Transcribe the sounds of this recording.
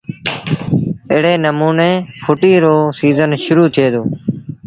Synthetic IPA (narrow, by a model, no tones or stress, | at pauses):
ɪːɽeːnəmuːneːpʰʊʈiːɾoːsiːzənʃʊɾuːt̪ʰɪeːd̪oː